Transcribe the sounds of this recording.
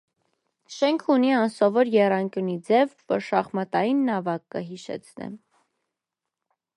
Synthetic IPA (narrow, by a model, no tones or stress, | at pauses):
ʃɛŋkʰuniɑnsɔvɔɾjɛrɑŋkʲjunid͡zɛvpəʃɑχmɑt̪ɑjinːɑvɑkːəɦiʃɛ̰t͡sʰnɛ̰m